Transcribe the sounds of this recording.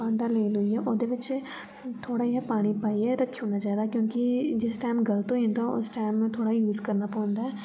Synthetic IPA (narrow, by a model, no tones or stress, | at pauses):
pãːɳɖaleːlʊiɦɛːʔoːd̪eːʋɪt͡ʃ | t̪ʰoːɽaːiɛpaːɽ̃ipaːiɛːɾəkʰːiõːnad͡ʒaːd̪aːkjõːkid͡ʒɪsʈaːmɡəlt̪õĩːnd̪aʊ̰sʈaːɪmːẽt̪ʰoːɽaːjuːzkəɾnaːpɔ̃ːnd̪aːɛː